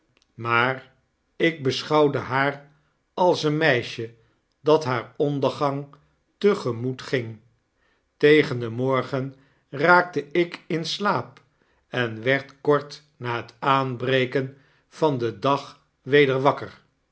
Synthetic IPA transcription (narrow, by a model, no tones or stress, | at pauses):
maːr | ɪɡ̚bəsχɑwdəɦaːr | ɑlˠsənmɛjʃə | dɑtɦaːɹɔndəɹχɑŋ | təχəmutχɪŋ | tejχəndəmɔɹχən | raːk̚təʔɪkɪnslaːp | ɛnʋɛɹtkɔɹt | naːɦətaːnbrejkən | v̥ɑndədɑχ | ʋejdəɹʋɑkəɹ